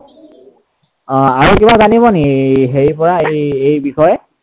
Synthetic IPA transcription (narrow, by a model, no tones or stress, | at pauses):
aɹukibazanibɔniɦeɹipɔɹaejejbixɔjɛ